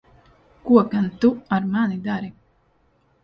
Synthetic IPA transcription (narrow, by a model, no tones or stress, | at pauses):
kuɔkant̪uaɾmanid̪aɾi